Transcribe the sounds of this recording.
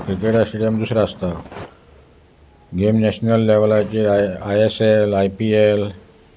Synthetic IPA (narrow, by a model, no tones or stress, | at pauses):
kɾikeʈasʈɽijəmd̪usɾaːst̪a | ɡemnɛɕnəlːeʋlajt͡ɕeajeselajpiel